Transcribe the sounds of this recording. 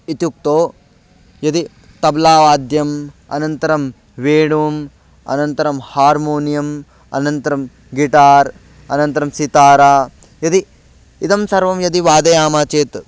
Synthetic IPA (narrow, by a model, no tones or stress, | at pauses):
it̪juk̚t̪oː | jɐd̪i | t̪ɐblaːʋaːd̪jɐmɐ̰nɐnt̪ɐɾɐm | ʋeːɽuːm | ɐ̰nɐnt̪ɐɾɐmhaːɾmoːnijɐm | ɐ̰nɐnt̪ɐɾɐm | ɡiʈaːɾ | ɐnɐnt̪ɐɾɐmsit̪aːɾaː | jɐd̪iː | t̪ɐmsɐɾʋɐmjɐd̪iʋaːd̪ɐjaːmaːt͡ʃeːt̪